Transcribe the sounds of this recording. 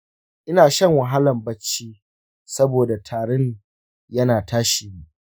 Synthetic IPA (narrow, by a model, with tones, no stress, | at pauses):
ʔɪ˦naː˨ʃɐ˦˨ŋwɐ˨ɦa˦lɐ˨mbɐ˦t͡ʃːiː˦ | sɐ˦boː˨da˨tʰaː˨ɽɛ˦ɲ | jɐ˦naː˨taː˦ʃiː˨mu˨ʔ